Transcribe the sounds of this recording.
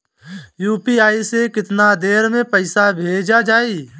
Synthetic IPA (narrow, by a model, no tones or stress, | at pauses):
juːpiaːisekɪt̪nad̪eːɾmẽpəɪsabʱeːd͡ʒad͡ʒaːiː